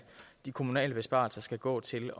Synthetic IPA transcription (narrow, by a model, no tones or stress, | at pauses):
d̥ikʰo̝munɛ̰ːləb̥e̝sb̥ɑ̰̈ːlsɐsɡ̥æɡ̥ɔ̰̽ːt͡sʰe̝lɒ